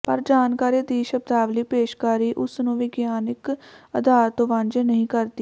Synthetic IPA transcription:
pəɾd͡ʒaːnkaːɾiːd̪iːʃəb̚d̪aːʋliːpeːʃkaːɾiːʔʊsnũːʋɪɡjaːnɪkəd̪aːɾt̪oːʋãnd͡ʒənəɦĩːkəɾd̪iː

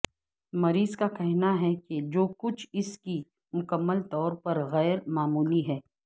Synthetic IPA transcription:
mɐɾiːzkakɛɦnaɦɛked͡ʒoːkʊt͡ʃʰɪski | mʊkəmːəlt̪ɔːɾpɐɾɣɛːɾmaːmuːliɦɛː

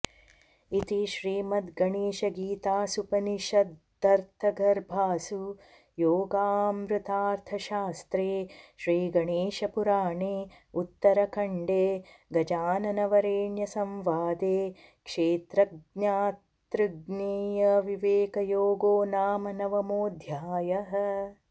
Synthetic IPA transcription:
it̪iʃɾiːmɐd̪ɡɐɳeːʃɐɡiːt̪aːsupɐniʃɐ | d̪ɐɾt̪ʰɐɡɐɾbʱaːsu | joːɡaːmɾut̪aːɾt̪ʰɐʃaːst̪ɾeːʃɾiːɡɐɳeːʃɐpuɾaːɳeː | ut̪ːɐɾɐkʰɐɳɖeː | ɡɐd͡ʒaːnɐnɐʋɐɾeːɳjɐsɐ̃mʋaːd̪eːkʂeːt̪ɾɐɡnjaːtt̪ɾɨɡneːjɐʋiʋeːkɐjoːɡoːnaːmɐnɐʋɐmoːd̪ʱjaːjɐɦɐ̆

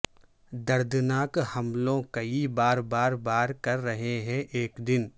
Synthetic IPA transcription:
d̪ɐɾd̪naːkhɐmlõkɐibaːɾbaːɾbaːɾkɐɾːɐɦeɦɛ̃ʔeːkd̪ɪn

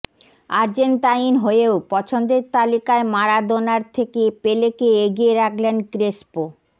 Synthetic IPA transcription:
aɾd͡ʑent̪ajinɦoeopɔt͡ɕʰond̪eɾt̪alikaemaɾad̪onaɾt̪ʰekepelekeeɡieɾaklenkɾespo

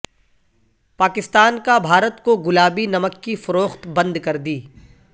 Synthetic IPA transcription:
paːkɪst̪aːnkabʱaːɾət̪koɡʊlaːbinɐməkːifʊɾoːxt̪bɐ̃nd̪kɐɾd̪iː

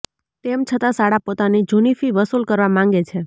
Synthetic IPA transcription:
t̪emt͡ʃʰət̪asaɽapot̪anid͡ʒunifiʋəsulkəɾʋamãŋ̆ɡet͡ʃʰe

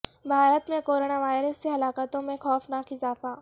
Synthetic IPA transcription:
bʱaːɾət̪mẽkoːɾoːnaʋaːɪɾəsːeɦɐlaːkət̪õmẽxɔːfnaːkɪzaːfaː

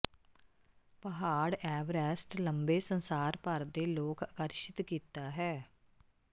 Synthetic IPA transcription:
pəɦaːɽɛːʋɾɛːsʈləmbeːsənsaːɾpəɾd̪eːloːkakəɾʃɪt̪kiːt̪aːɦɛː

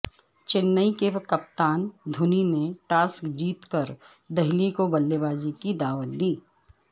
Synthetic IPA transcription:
t͡ʃɪnːəikekɐp̚t̪aːnd̪ʱʊnineʈaːskd͡ʒiːt̪kəɾ | d̪ɐɦɪlikobɐlːebaːzikid̪aːʋət̪̚d̪iː

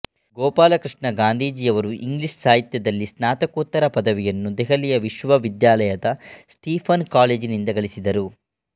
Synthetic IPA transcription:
ɡɔːpaːlɐkɾiʂɳɐɡaːnd̪ʱiːd͡ʒiɐʋɐɾuʔiŋɡliʂsaːɦit̪jɐd̪ɐlːisnaːt̪ɐkoːt̪ːɐɾɐpɐd̪ɐʋijɐnːud̪ɛɦɐlijɐʋiʃʋɐʋid̪jaːlɐjɐd̪ɐsʈiːpʰɐnkaːleːd͡ʒinind̪ɐɡɐɭisid̪ɐɾu

